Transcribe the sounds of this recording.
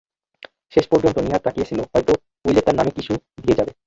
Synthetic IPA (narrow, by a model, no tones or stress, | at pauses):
ʃeʃpɔɾd͡ʑont̪oniɦat̪ɾakijet͡ɕʰiloɦɔjt̪o | ujlet̪aɾnamekit͡ɕʰud̪ijed͡ʑabe